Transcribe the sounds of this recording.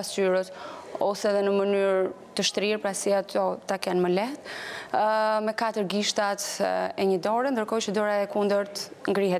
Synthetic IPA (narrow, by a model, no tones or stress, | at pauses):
asyɾət̪ɔsɛðɛnəmənyɾ | t̪əʃt̪ɾiɾpɾasiat̪ʰɔt̪akɛnməlɛht̪ | mɛkat̪əɾɡiʃt̪at̪ɛɲəd̪ɔɾɛnd̪əɾkɔjt͡ʃəd̪ɔɾaɛkund̪əɾt̪ŋɡɾiɦɛt̪